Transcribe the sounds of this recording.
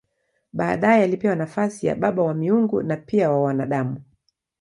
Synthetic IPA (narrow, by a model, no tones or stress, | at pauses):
ɓaːɗajɛalipɛwanafasija̰ɓaɓawamiuŋɡṵnapiawawanaɗamu